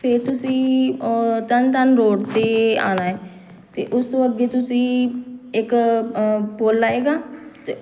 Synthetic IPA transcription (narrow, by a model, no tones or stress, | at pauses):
pʰeːɾt̪ʊsĩː | t̪ənt̪ənɾoːɖt̪eːa̰ːnaːɦɛː | t̪ḛːʔʊst̪õːəɡːeːt̪ʊsĩːɪk | poːlːaːeːɡaːt̪eː